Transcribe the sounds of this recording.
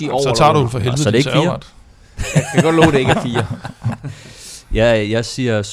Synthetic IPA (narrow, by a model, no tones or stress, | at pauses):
iɒ̰ɒt͡sʰɑ̰̈ːɾuhunfɒɦelʋð̩sɒd̥eeɡ̥ːɐd̥ | kʰæɡ̥ɒd̥lɔ̰ːɾe̝eɡ̥æfiːɐ | jæjɑ̈ɪsiɐs